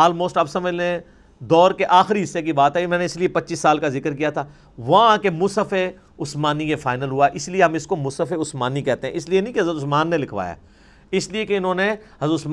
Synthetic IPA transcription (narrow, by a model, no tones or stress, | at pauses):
ɔːlmoːsʈabsɐməd͡ʒlẽ | d̪ɔːɾkeʔaːxɪɾiɦɪsːek̬ibaːt̪ɦɛmɛ̃ːneɪsliepɐtːʃisːaːlkazɪkəɾkijat̪ʰaː | ʋɐɦãkemʊsəfe | ʊsmaːnijefaːɪnəlɦuaɛʔɪslieɦɐmɪskomʊsəfeʊsmaːnikɛɦt̪eɦɛ̃ʔɪslienĩkeɦɐzɾət̪ʊsmaːnːelɪkʰʋa̰ːja̰ː | ɪsliekeɪnɦõːneɦɐzɾət̪ʊsm